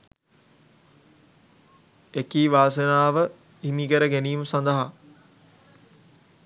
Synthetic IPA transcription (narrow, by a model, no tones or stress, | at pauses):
ekiːʋaːs̬ənaːʋə | imiɡəɾəɡæniːməsand̪əɦa